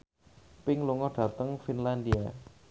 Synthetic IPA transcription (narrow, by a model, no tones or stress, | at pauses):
pɪŋluŋɔɖ̥ä̤t̪əŋfinland̪ia